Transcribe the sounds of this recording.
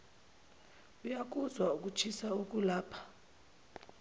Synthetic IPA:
ujak̬ʼuzwauk̬ʼut͡ʃʰisauk̬ʼulaːpʰḁ

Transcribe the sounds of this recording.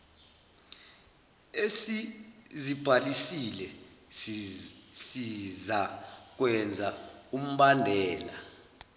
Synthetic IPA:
esizib̥ʱalisilɛ | sizak̬wɛnd͡zʱaum̩ɓandʱɛːla

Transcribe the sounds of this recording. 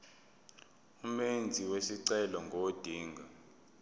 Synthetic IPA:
umend͡zʱiwesiǀɛlɔŋɡʱod̥ʱiːŋɡʱa

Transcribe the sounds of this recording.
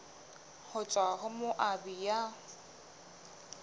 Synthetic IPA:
hʊt͡ʃʼwaɣʊmoʔabija

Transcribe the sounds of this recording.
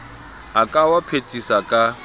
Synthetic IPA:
akʼawapʰetʼisakʼa

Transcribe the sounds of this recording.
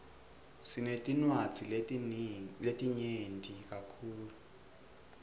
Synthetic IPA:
sinetʼinwat͡si | letʼiɲentʼik̬ʼakʰuːlu

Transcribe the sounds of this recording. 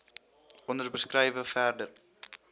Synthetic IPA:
ʔɔnərbəskrɛjvəfærdər

